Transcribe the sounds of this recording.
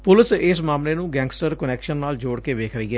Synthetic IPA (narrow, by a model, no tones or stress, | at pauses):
pʊlɪsɪsmaːmleːnũːɡɛ̃ːŋɡsʈəɾkənɛːkʃənːaːld͡ʒoːɽkeːʋeːkʰɾəɦiːɦɛː